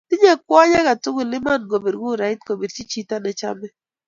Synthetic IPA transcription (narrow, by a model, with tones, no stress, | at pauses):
ti˦ɲe˦kwɔ˦ɲa˦ɣa˨tʊ˦ɡu˨lɪ˦ma˦˨nɡo˨bi˨ɾɡu˦˨ɾa˨ɪ˦t̚ko˨bi˨ɾt͡ʃi˦t͡ʃi˦ta˦nɛ˨t͡ʃa̰˦mɛ˦